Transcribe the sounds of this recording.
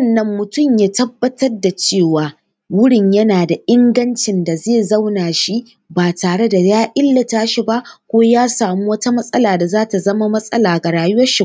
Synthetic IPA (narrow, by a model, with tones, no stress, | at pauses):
wnːɐ˦mːʊ˨tʊ˦˨mjaː˦tɐ˦bːɐ˦tɐ˦rda˨t͡ʃeː˦˨waː˨ | wʊ˦ɽɪ˨ɲjɐ˦naː˨da˨ʔɪ˦ŋɡɐ˦nt͡ʃɪ˨nda˨zeː˦˨zɐ˦wnaː˨ʃi˦ | baː˨taː˨ɽe˦da˨jaː˦ʔɪ˦lːɐ˨taː˦ʃi˨ba˦ʔkʷoː˦jaː˦saː˨mu˦wɐ˦ta˦mɐ˦sʼɐ˦laː˨da˨zaː˦ta˨zɐ˦ma˦mɐ˦sʼɐ̰˦laː˨ɡa˨ɽaː˨jʊ˦wɐ˦ʃi˦